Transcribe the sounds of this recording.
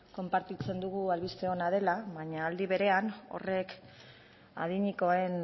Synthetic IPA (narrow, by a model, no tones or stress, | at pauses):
ko̞mpaɾt̪it͡se̞nd̪uɣualβist̪e̞o̞nað̞e̞laβaɲaːld̪iβ̞e̞ɾe̞ano̞̰re̞k | a̰ðiɲiko̞e̞n